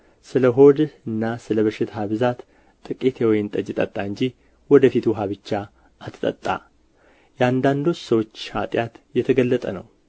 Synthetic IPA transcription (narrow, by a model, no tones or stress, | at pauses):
sɨləɦo̞d̪ɨnːasɨləβəʃɪt̪ʰhaβɨzat̪ | t̪ʼɨkʼit̪ʰewɔjɪnt̪ʼəd͡ʒɪt̪ʼət̪ʼːaɨɲd͡ʒih | wɔd̪əfit̪ʰuɦaβɨt͡ʃːa | ʔat̪ʰɨt̪ʼə̰t̪ʼːa̰ | jɛand̪and̪o̞t͡ʃːsəwot͡ʃːha̰t̪ʼjat̪jɛt̪ʰəɡəlːət̪ʼənə̰w